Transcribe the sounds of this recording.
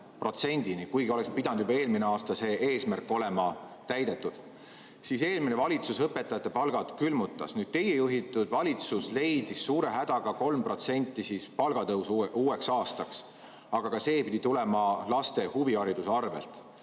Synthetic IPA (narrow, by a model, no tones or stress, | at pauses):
pro̞t̪se̞nʲd̪̥inikujɡio̞lekspid̪ɑnud̪jubɑeːlmineɑːst̪ɑse̞ːʔeːsmærkːo̞le̞mɑ | t̪æjd̪e̞t̪ːˑud̪̥ | sise̞ːlminevɑlʲit̪susɤpːe̞t̪ːˑɑjɑt̪ːˑe̞pɑlɡ̥ɑd̪̥kylmut̪ːˑɑ̰snyːd̪̥̚t̪e̞jejuɦit̪ːˑud̪̥vɑlʲit̪susle̞jd̪̥isːuːɾe̞ɦæd̪̥ɑɡ̥ɑko̞lmpro̞t̪se̞nʲt̪ːisiːspɑlɡ̥ɑt̪ɤwsuuːe̞ksɑːst̪ɑks | ɑɡ̥ɑkɑse̞ːpid̪it̪ulɛ̞mɑlɑst̪e̞huviɑɾid̪̥usɑrvḛlt̪ˑ